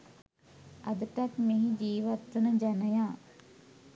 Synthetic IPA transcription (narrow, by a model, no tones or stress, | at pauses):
ad̪əʈakmeɦid͡ʒiːʋat̪ʋənəd͡ʒanəjaː